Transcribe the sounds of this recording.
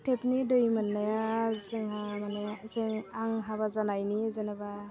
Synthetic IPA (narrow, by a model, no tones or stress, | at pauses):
tʰepnidojmanːajazɯŋɦamanezeŋaŋɦaβazanajnizanaba